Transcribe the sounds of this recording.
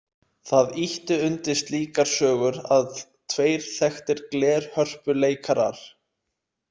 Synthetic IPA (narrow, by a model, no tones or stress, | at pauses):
θaðiht̪ʏʏnt̪ɪst̪liːkaɾ̥sœːɣʏɾað | t̪ʰveːjɾ̥θɛxt̪ɪɾklɛːɾ̥hœr̥pʏleːjkʰaɾa̰ɾ̥